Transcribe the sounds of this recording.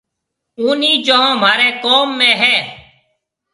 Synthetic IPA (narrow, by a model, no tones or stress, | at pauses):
uːniːd͡ʒəɦãːm̤aːɾeːkoːmːẽːɦɛː